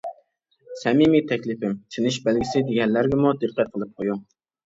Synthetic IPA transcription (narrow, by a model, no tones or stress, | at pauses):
sɛmimit̪ʰɛkʲlɪpɪmt͡ʃ̪ʰinɪʃbælɡʲɪsɪd̪eɡʲɛnlæɾɡʲɛmud̪ɨqːæt̪̚qʰəlˠɨp̚qʰojuŋ